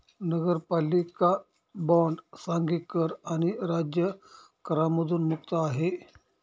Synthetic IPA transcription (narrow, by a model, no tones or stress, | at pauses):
nəɡəɾpalika | bɔ̃ɳɖsaŋɡikəɾaɽ̃iɾad͡ʑjə | kəɾaməd̪ʱuːnmukt̪əaɦe